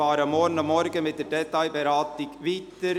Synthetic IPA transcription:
ɑːɾəmɔɾnəmɔɾɡəmɪt̪̚d̥̪eːdɛt̪ːɑɪbɛɾɑːt̪ɪkʋiːt̪əɾ

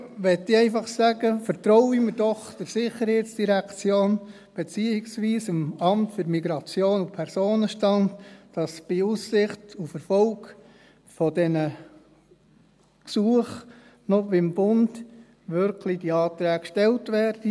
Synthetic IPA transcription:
ʋɛtːiɛɪfɑχsæɡəfəɾtɾɔʊiməɾd̥ɔχd̥ɛɾsɪχːəɾhɛɪtsd̥iɾækt͡sjoːn | b̥et͡siːɪksʋiːsɪmɑmtføɾmiɡɾɑt͡sjoːnupʰɛɾsoːnəʃtɑntd̥ɑsb̥ɪusːɪχtufəɾfɔlk | fɔdɛnə | ksuəχ | nɔʋɪmb̥ʊnd | ʋʏɾkʰlid̥iɑːt̪ɾæːɡʃtɛltʋæːɾd̥i

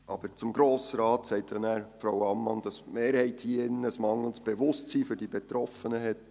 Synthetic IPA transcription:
ʔɑb̥əɾt͡sʊmɡɾoːsɾɑːtsɛɪt̚d̥ɛnæːɾfɾawɑmːɑnd̥ɑsmeːɾhɛɪthiːɪnːəəsmɑŋəl̩sb̥eʋʊstsiːfʏɾdibɛt̪ɾɔfənəɦɛt

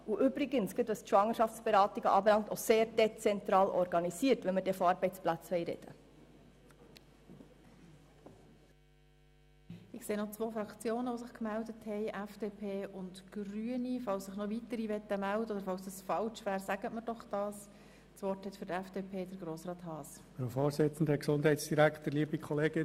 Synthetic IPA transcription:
uʔʏbɾiɡənsɡ̥ɪtʋɑstʃʋɑŋəʃɑft͡sb̥eɾɑːt̪iɡəʔɑːbɛlɑŋt̪oseːɾd̥ɛt͡sɛnt̪ɾɑːlʔɔɾɡɑnisiːəɾtʋɛnməɾdɛfɔɑɾbɛɪt͡splæt͡sʋɛɪɾɛ̰d̪̥ə | ɪkseːnɔt͡sʋoːfɾɑkt͡sjoːnəʋosɪχkmældəthɛɪʔɛfd̥eːpʰeːʔʊntɡ̥ryənifɑlssɪχnɔʋitəɾiʋɛt̪ːəmældəɔd̪əɾfɑlsd̥əsfɑlt͡ʃʋæːɾsæɡ̥ətməɾd̥ɔχd̥ɑːs | t͡sʋɔrthɛtfʏɾdɛfd̥eːpʰeːd̥əɾɡɾoːsrɑːt̪ɦɑːs | fɾofoːɾsɪt͡sn̩dəksʊnd̥hɛɪtsd̥iɾæktəɾliːəbikʰχɔleːɡ̥ɪn

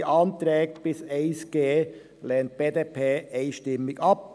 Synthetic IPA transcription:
ʔɑnt̪ɾɛːk̚t̪b̥ɪseɪsɡ̥eː | leːnt̪̚b̥eːd̪eːpʰeːeɪnʃtɪmɪɡɑp̚

